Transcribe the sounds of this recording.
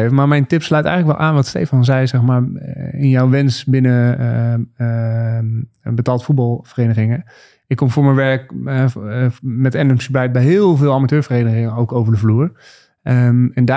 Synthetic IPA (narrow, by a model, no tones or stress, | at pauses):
evəmaːɹmɛjntɪpslœɥtɛ̰jɣŋələkʋɛlˠʔaːnʋɑtstḛjfɑnzɛjzɛxmaːɹɪnjawʋɪnsbɪnə | bətaːlˠtfut̚bɑlˠfərejnəχɪŋə | ɪkːomfʊːɹmɛnʋɛɹkɛ | mɛtɛndəŋsəblɛj̚bɛjɦɪːlˠvɪːlˠamatøːɹfəreːjnəχɪŋəowkowvəɹdəvluːɹ | ɛnda